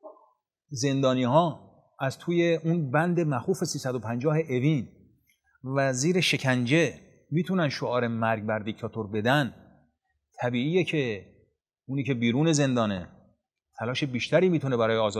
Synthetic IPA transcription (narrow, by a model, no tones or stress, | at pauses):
ze̞nd̪ɒːniːɦɒː | æzt̪ʰuːje̞unbænd̪e̞mæxuːfe̞siːsæd̪opʰænd͡ʒɒːɦe̞ʔevin | væziːɾe̞ʃe̞cʰænd͡ʒe̞ | miːt̪ʰunænʃoɒːɾe̞mæɾɡ̚bæɾd̪icʰt̪ʰɒːt̪ʰoɾbe̞d̪æn | t̪ʰæbiːiːjecʰe̞ | uːniːcʰe̞biːɾuːne̞ze̞nd̪ɒːne | t̪ʰælɒːʃe̞biːʃt̪æɾiːmiːt̪ʰune̞bæɾɒːjeɒːz